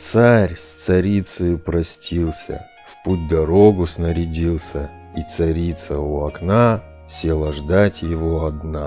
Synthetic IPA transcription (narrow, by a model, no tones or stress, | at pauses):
t̪saɾʲst̪sɐɾʲit̪sɨjʊpɾɐsʲtʲʰilˠsʲə̰ | fput̚ʲd̪ɐɾo̞ɡʊsnəɾʲɪdʲilˠsʲə | it̪sɐɾʲit̪səʊɐkna | sʲe̞lˠəʐd̪atʲjɪvoɐd̪na